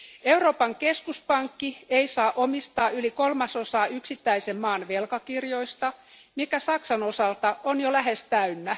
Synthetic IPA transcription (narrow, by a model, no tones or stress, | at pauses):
euwro̞ːpɑŋkeskuspɑŋkːieisɑːʔomist̪ɑːʔylikolmɑsosɑːʔyksit̪ːæisemmɑːnʋelkɑkirjoist̪ɑmikæsɑksɑnosɑlt̪ɑʔonjolæɦest̪æynːæ